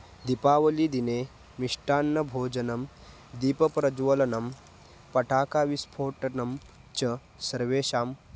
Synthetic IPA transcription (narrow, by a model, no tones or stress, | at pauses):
d̪ipaːʋɐliːd̪ine | miʂʈaːnːɐbʱoːd͡ʒɐnɐm | d̪iːpɐpɾɐd͡ʒʋɐlɐnɐm | pɐʈʰaːkaːʋispʰoːʈɐnɐm | t͡ʃɐ | sɐɾʋeːɕaːm